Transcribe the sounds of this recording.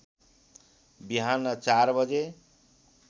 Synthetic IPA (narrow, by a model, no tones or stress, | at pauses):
biɦanʌt͡sarbʌd͡ze